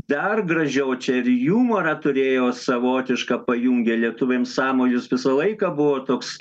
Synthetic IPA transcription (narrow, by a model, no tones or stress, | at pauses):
d̪ɐrɡrɐʒʲɛʊt͡ʃʲɛɪɾjuːmoːɾɐːt̪ʊɾʲeːjoːsɐʋoːt̪ʲɪʃkɐpɐjuːŋʲɡʲɛlʲiɛt̪ʊʋʲeːmsɑːmoːjʲʊsʋʲɪsɐlˠɐɪkɑbʊʋoːt̪oːks